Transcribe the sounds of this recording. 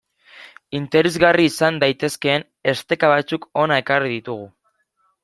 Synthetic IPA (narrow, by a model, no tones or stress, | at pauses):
int̪e̞ɾezɣariːsand̪ajt̪e̞ske̞ːn | est̪e̞kaβ̞at͡suko̞nae̞kariðit̪uɣ̞u